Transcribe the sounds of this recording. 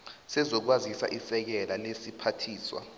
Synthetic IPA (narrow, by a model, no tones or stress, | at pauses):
sɛzɔk̬wazisa̰ʔisɛk̬ɛlalesipʰatʰiːswa̰